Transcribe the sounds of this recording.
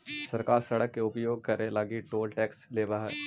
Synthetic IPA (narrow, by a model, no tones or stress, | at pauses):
sɐɾkaːɾsɐɽəkːeʊpjoːɡ̚kɐɾẽlaːɡiʈoːlʈɛːksleːbaɦɛ